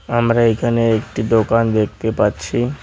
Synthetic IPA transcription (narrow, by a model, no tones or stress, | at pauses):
amɾaekʰaneek̚ʈid̪okand̪ek̚ʰt̪epatːɕʰi